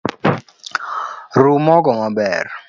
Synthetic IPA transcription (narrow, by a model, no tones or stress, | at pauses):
rumɔɡɔmabɛ̰r